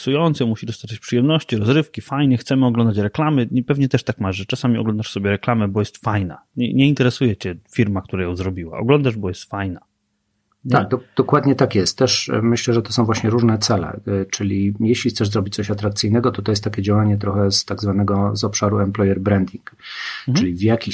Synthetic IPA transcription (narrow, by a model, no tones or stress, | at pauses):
sujɔnt̪sɛmuɕid̪ɔst̪at͡ʂɛt͡ɕpʂɘjɛmnɔɕt͡ɕiɾɔzɾɘfkʲifajɲɛxt̪sɛmɘɔɡlɔnd̪at͡ɕɾɛklamɘipɛvɲɛt̪ɛʂt̪akmaʐɛt͡ʂasamʲiɔ̰ɡlɔ̃nd̪aʂsɔbʲjɛɾɛklamɛbɔjɛst̪fajna̰ɲɛ̰ɲɛint̪ɛɾɛsujɛt͡ɕɛfʲiɾmak̚t̪uɾajɔ̃w̃zɾɔbʲiwa̰ʔɔ̰ɡlɔnd̪aʐbɔjɛst̪fajna | aɡ̚d̪ɔd̪̥ɔkwad̪ɲɛt̪akjɛst̪̚ːɛʂmɘɕlɛʐɛt̪ɔsɔ̃w̃vwaɕɲɛɾuʐnɛt̪sɛlɛ̰t͡ʂɘlʲijɛɕlʲixt̪sɛʐzɾɔbʲit͡ɕ̚t̪sɔɕat̪ɾak̚t̪sɘjnɛɡɔt̪ɔt̪ɔjɛst̪akʲɛd͡ʑawaɲɛt̪ɾɔxɛst̪aɡzvanɛɡɔzɔpʂaɾuɛmplɔjɛɾbɾɛnd̪ʲiŋkt͡ʂɘlʲivjakʲi